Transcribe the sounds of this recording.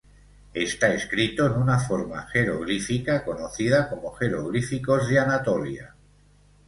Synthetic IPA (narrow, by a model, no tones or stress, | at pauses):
e̞st̪aeskɾit̪o̞enunafo̞ɾma̰xe̞ɾo̰ɣ̞ɾifikako̞no̞θið̞ako̞mo̞χe̞ɾoɣɾifiko̞zðeanat̪o̞lja̰